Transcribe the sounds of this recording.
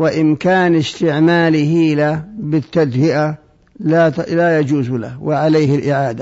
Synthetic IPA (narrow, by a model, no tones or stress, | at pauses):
wɪʔɪmkaːnɪst̪ɪʕmaːlihiːlabɪt̪ːad̪hɪʔa | lalajad͡ʒuːzla̰wɪʕaleːhɪlʔɪʕaːd̪a